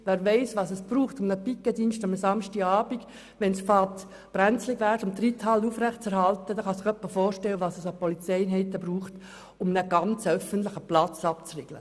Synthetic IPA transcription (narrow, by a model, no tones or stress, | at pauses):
ʋæːɾʋeɪsʋɑːsəsb̥ruːχtʊmnəpɪkːədinstamsɑmʃtiɑːbiɡ | ʋɛnsfɑːt | b̥ɾænt͡slɪɡʋæːɾtʊmt̪ritʰhɑlufrɛχtt͡sɛɾhɑltəd̥aχɑsɪχœpːəfɔːɾʃtɛlwəʋɑːsəsɑpɔlit͡sɛɪnɦɛɪt̪ːəbruːχt | ʊmnəɡ̥ɑnt͡sœfəntlɪχəplɑt͡sɑpt͡sreɡ̥lə̰